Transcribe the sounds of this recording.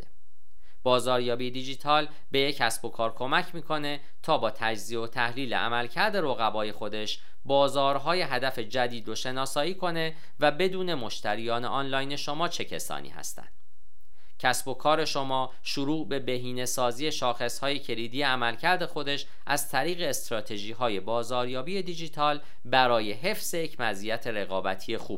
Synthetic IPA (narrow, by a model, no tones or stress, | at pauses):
d̪e | b̥ɒːzɒːɾjɒːbijed̪id͡ʒiːt̪ʰɒːl | be̞jecʰːæsb̥o̞kʰɒːɾkʰo̞mæcʰmiːkʰo̞ne̞ | t̪ʰɒːbɒːt̪ʰæd͡ʒzio̞t̪ʰæhliːlḛʔæ̰mælcʰæɾd̪e̞ɾoɣæbɒːje̞xo̞d̪e̞ʃ | bɒːzɒːɾɦɒːje̞ɦæd̪æfe̞d͡ʒæd̪iːd̪ɾoʃe̞nɒːsɒːiːkʰo̞ne̞ | væbe̞d̪uːne̞mo̞ʃt̪ʰæɾijɒːneʔɒːnlɒːjne̞ʃo̞mɒːt͡ʃʰe̞cʰḛsɒ̰ːnḭːhæ̰st̪æ̰nd̪̥ | cʰæsbo̞kʰɒːɾe̞ʃo̞mɒː | ʃuɾuːʔbe̞be̞ɦiːne̞sɒːziːje̞ʃɒːxe̞shɒːje̞cʰe̞liːd̪iːjeæmælcʰæɾd̪e̞xo̞d̪e̞ʃ | ʔæzt̪ʰæɾiːɣe̞ːst̪ɾɒːt̪ʰe̞ʒiːɦɒːje̞bɒːzɒːɾjɒːbiːe̞d̪id͡ʒiːt̪ʰɒːl | bæɾɒːje̞ɦe̞fse̞jecʰmæzijæt̪ʰe̞ɾe̞ɣɒːbæt̪ʰije̞xṵːb̥̚